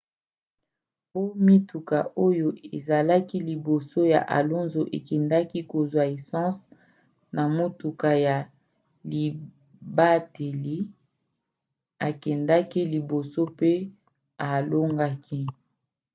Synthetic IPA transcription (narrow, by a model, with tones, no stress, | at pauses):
po˦mi˦tu˨ka˨ʔo˦jo˦e˨za˨la˦ki˦li˨bo˨so˦ja̰˨ʔa̰˨lo˦nzo˨ʔḛ˨kɛ˨nda˦ki˦ko˨zwa˨e˨sɑ̃˦s | na˨mo˦tu˨ka˨ja˨ | li˨ | ba˦te˨li˦ | a˨kɛ˨nda˦ki˦li˨bo˨so˦pe˦ | a˨lo˦ŋɡa˦kʰi˦